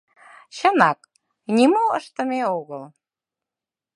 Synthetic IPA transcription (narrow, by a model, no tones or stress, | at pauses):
ɕə̆nɑk | nʲimoə̰ʃt̪ə̆meoɣəlˠ